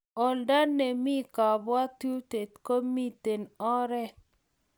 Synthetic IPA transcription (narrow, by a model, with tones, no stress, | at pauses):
ɔ˨lda˦nːe˨mi˦ka˨bwa˦t̪u˦t̪e˨t̪ko˦mi˦t̪e˨nɔ˦ɾɛ˦